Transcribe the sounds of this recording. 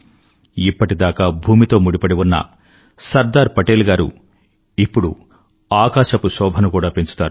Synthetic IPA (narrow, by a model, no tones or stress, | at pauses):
ipːɐʈid̪aːkaːbʱuːmit̪o̞ːmuɽipɐɽiʋunːɐ̰ | sɐɾd̪aːɾpɐʈeːlɡaːɾṵ | ipːuɽu | aːkaːʃɐpusɔːbʱɐnukuːɽaːpeɲt͡ʃu̥t̪aːɾu